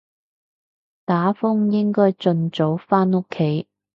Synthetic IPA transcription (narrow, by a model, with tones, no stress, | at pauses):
t̪aː˨˥fʊ˥ŋjɪ˥ŋkɔː˥jt͡sɵ˧nt͡so˨˥wfaː˥no˥kʰːe˨˥j